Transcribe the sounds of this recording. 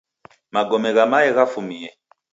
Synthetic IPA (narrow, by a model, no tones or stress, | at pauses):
maɡɔmɛɣamaɛɣafumiɛ